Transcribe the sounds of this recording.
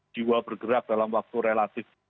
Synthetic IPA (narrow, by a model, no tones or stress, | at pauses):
d͡ʒiwabərɡəɾak̚d̥alamwak̚t̪uɾelat̪ɪf